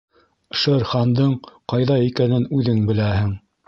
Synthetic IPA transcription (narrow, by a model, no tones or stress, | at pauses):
ʃɤɾχɑnd̪ɤɴqɑjðɑikænɘnʉðɘŋbɘ̆læhɘŋ